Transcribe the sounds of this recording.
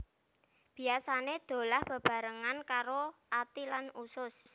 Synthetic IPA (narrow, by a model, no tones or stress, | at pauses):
b̥i̤asaned̪̥o̤lahb̥ə̤b̥a̤ɾəŋankaɾoʔat̪ilanusʊs